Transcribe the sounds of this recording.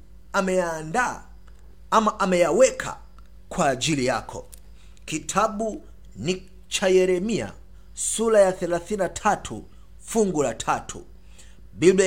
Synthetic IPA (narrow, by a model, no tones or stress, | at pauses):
amɛjaːnda | amaʔamɛjawɛkʰa̰ | kwaːʄilijakʰɔ | kitʰaɓu | ni | t͡ʃajɛɾɛmia̰ | sulajaθɛlaθininatʰatʰṵ | fuŋɡulatʰatʰṵ | ɓib